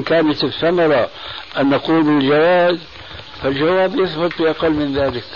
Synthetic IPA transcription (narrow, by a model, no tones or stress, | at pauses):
kaːnat̪ɪθːamɑɾˤɑ | ʔanːɑquːlbɪld͡ʒawaːz | fald͡ʒawaːbjʊθbɨt̪ˤbɪʔɑqɑlːmɪnðaːlɪk